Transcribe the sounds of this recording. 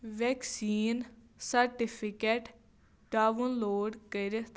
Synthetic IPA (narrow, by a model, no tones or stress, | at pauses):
ʋɛːksiːn | səɾʈipʰɪkeːʈ | ʈaːʋʊnloːɖkəiɾet̪